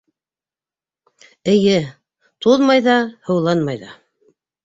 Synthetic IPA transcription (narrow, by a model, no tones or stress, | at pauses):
ɘ̆jɘ | t̪ʰuðmɑjðɑhɤ̆wlˠɑnmɑjðɑ̰